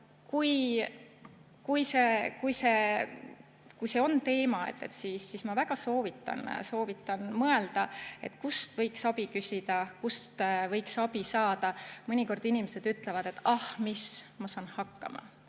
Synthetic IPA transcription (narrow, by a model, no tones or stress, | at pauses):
kuj | kujse̞kujse̞ | kujse̞o̞nt̪e̞ːmɑe̞̰t̪ːˑe̞t̪ːsiːsːismɑvæɡ̥ɑso̞ːvit̪ːˑɑ̰nso̞ːvit̪ːˑɑnmɤe̞ld̪̥ɑe̞̰t̪ːkust̪vɤ̞jksɑbikysʲid̪̥ɑkust̪vɤjksɑbisɑːd̪̥ɑmɤnʲiko̞rd̪inimese̞d̪̥yt̪ˑlevɑd̪̥e̞t̪ːɑhmismɑsɑːnhɑkːɑ̰mɑ̰